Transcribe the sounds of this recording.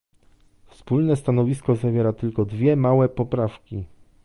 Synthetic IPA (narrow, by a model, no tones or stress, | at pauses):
fspulnɛst̪anɔvʲiskɔzavʲjɛɾat̪ɘlkɔd̪vʲjɛmawɛpɔpɾafkʲi